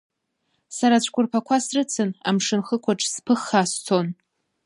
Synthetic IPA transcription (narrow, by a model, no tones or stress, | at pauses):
saɾat͡ɕʷʰʼkʷʼʊrpʰakʷʰasrɨt͡sʰɨna̰mʂɨnχəkʷʰaʈ͡ʂʰʼspʰɨχːast͡sʰo̞n